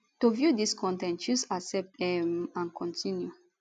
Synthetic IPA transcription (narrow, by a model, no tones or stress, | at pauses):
tovjudiskʰɔ̃ntɛ̃ntusasɛp̚tɛmãnkʰɔ̃ntʰĩnju